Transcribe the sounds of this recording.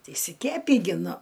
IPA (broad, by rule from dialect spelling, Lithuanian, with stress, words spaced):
tʲɪ ɪʃʲsʲɪˈkʲæːpʲiː ɡʲɪ ˈnʊ